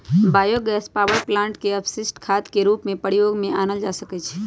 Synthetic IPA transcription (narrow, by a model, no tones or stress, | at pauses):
baːjoɡɛːspaːʋəɾplãːɳʈkeəpsɪsʈkʰaːt̪keɾuːpmẽpəɽjoːɡmẽaːnəld͡ʒaːsəket͡ʃʰe̥